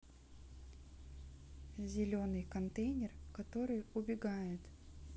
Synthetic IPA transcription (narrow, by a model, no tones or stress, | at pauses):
zʲɪlʲonɨjkɐnt̪ejnʲɪrkɐt̪o̞ɾɨjʊbʲɪɡajɪt̪